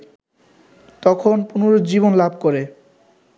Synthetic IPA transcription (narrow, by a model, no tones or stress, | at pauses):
t̪ɔkʰonpunoɾod̪d͡ʑiβonlab̚ʱkoɾe